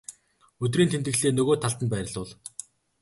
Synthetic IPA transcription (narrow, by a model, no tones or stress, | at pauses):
ɵt̪̬riːnt̪ʰent̪ɘ̆ɬeːnɵɣoːt̪ʰaɮt̪ə̆npæːɾʲɪ̆ɮʊːɮ